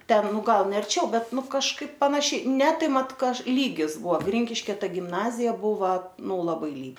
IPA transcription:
ˈtʲɛn ˈnʊ ˈɡɐlˠ nʲɛ ɐrʲˈt͡ʃʲɛʊ ˈbʲɛt ˈnʊ kɐʃˈkɐɪp pɐnɐˈʃʲɛɪ nʲɛ ˈtɐɪ ˈmɐt ˈkɐʃ lʲiːɡʲɪs ˈbʊɐ ˈɡrʲɪŋʲkʲɪʃʲkʲɛ ˈtɐɪ ɡʲɪmˈnɑːzʲɪjɛ ˈbʊʋɐ ˈnʊ lˠɐˈbɐɪ lʲiː

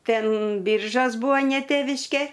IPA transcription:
ˈtʲɛn ˈbʲɪrʒoːs ˈbuːɐ nʲɛ ˈtʲeːʋʲɪʃʲkʲeː

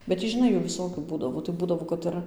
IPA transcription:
bʲɛt ˈtʲiː ʒʲɪˈnɐɪ ˈjuː ʋʲɪˈsoːkʲuː ˈbuːdɐʋoː tɐɪ ˈbuːdɐʋoː kɐt ˈɪr

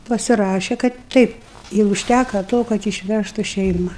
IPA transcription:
pɐsʲɪˈrɑːʃʲɛ kɐt ˈtʲɛɪp ɪ ʊʃʲˈtʲækɐ ˈtoː kɐt ɪʃʲˈʋʲæʃtʊ ˈʃʲɛɪmɐ

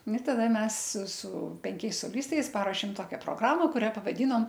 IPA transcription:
nʊ tɐˈdɐ ˈmʲɛs sʊ sʊ pʲɛŋʲˈkʲɛɪs soːˈlʲɪstɐɪs ˈpɑːroːʃʲeːm ˈtoːkʲɛ proːˈɡrɑːmɐ kʊˈrʲɛ pɐʋɐˈdʲiːnoːm

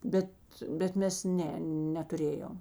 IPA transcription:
ˈbʲɛt bʲɛt ˈmʲɛs ˈnʲɛ nʲɛtʊˈrʲeːjoːm

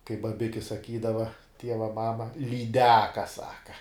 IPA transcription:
kɐɪp bɐˈbʲɪkʲɪ sɐˈkʲiːdɐʋɐ ˈtʲiɛʋɐ ˈmɑːmɐ lʲiːˈdʲæːkɐ ˈsɑːkɐ

